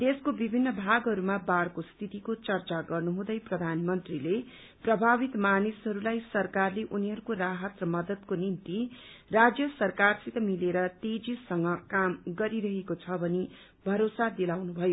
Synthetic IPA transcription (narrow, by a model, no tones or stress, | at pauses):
d̪eskobibʱinːʌbʱaɡɦʌɾumabarkost̪ʰit̪ikot͡sʌrt͡saɡʌrnuɦũd̪ʌjprʌd̪ʱanmʌnt̪rile | prʌbʱaβit̪manisɦʌɾulajsʌrkarleʔuniɦʌɾukoraɦʌt̪rʌmʌd̪ʌd̪̚konint̪i | rad͡zjʌsʌrkarsit̪ʌmileɾʌt̪ed͡zisʌŋɡʌkamɡʌɾiɾʌɦekot͡sʰʌbʌni | bʱʌɾosad̪ilawnubʱʌjo